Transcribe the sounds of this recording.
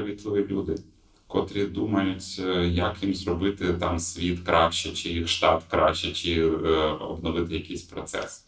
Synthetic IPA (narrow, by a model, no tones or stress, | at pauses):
ɐʋʲit̪lˠɔʋʲilʲud̪ɪ | kɔt̪ɾʲid̪umɐjʊtʲjɐkjimzrɔbɪt̪ɪt̪ɑmsʲʋʲit̪kɾʔɑʃt͡ʃɛt͡ʃɪjixʃt̪ɑt̪kɾɑ̰ʃt͡ʃːɛt͡ʃɪ | ɔ̰bnɔʋɪt̪ɪjɐkʲijsʲpɾɔt̪sɛ̰s